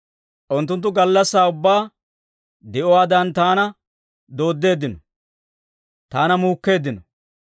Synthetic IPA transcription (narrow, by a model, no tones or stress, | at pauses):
ʔʊnt̪ːʊnt̪̬ːʊɡɐlːɐsːaːʊbːaː | d̪ɛʔɔwaːd̪ɐnt̪aːnɐ | d̪o̞ːd̪ːe̞ːd̪ːɪnɔ | t̪aːnɐmuːkːe̞ːd̪ːɪnɔ